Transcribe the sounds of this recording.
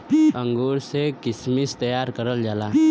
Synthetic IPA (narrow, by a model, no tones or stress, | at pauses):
ə̃ŋɡoːɾsekɪsmist̪ɐjaːɾkəɾəld͡ʒaːlaː